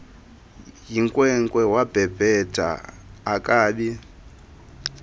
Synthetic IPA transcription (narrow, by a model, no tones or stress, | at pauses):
jiŋkʼwɛŋkʼwɛwab̥ʱɛb̥ʱɛdʱʼa̰ː | kʼaːɓi